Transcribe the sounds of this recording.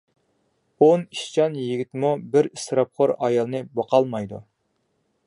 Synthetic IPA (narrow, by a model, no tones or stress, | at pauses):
oniʃt͡ʃɑnjiɡʲit̪mubɪɾist̪ɾɑp̚qʰoɾɑjɑlˠnɨbɑqɑlˠmɑjd̪ṵ